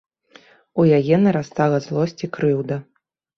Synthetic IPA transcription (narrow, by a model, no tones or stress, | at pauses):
ujajɛnɐɾast̪alˠɐzlˠɔsʲt͡sʲikɾɨwd̪ɐ